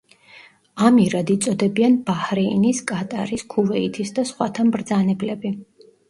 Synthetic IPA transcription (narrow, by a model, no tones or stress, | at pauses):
amiɾad̪it̪sʼɔd̪ɛbianbahɾɛiniskʼat̪ʼaɾiskʰuvɛit̪ʰisd̪asχwat̪ʰambɾd̪zanɛblɛbi